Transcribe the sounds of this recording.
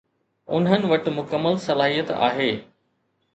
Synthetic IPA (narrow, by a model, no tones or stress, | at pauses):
ʊ̰nɦənɪ̆ʋɐʈmʊkəmːəlsɐlaːɦijət̪a̰ːɦeː